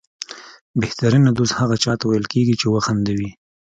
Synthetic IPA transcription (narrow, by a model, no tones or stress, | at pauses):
beht̪aɾinad̪oshaɣat͡ʃɑt̪awajəlkeɡit͡ʃewaxand̪awi